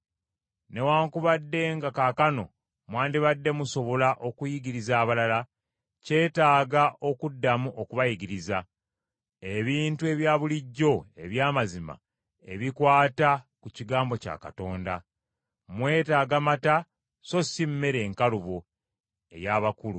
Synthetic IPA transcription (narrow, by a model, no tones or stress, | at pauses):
ne̞waːŋkuβadːe̞ŋɡakakano̞̰ | mwaːndiβadːe̞muso̞βo̞laʔo̞kujiɡiɾizaːβalala | ce̞ːtaːɡaʔo̞kudːamuʔo̞kuβajiɡiɾiza | eβiːntue̞βjaːβuliɟːo̞e̞̰βjaːmazima̰ | e̞̰βikwaːtakuciɡaːmbo̞ca̰ːka̰to̞ːnda | mwe̞ːtaːɡamata | so̞simme̞ɾe̞ːŋkaluβo̞ | e̞̰jaːβakulu